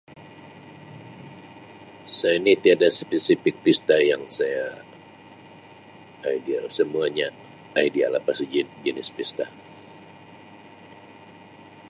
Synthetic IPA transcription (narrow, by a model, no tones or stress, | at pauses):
sajainit̪iadaspesifik̚pist̪ajaŋsaja | idialsəmuaɲaː | idia̰lapasud͡ʒind͡ʒənɪspist̪a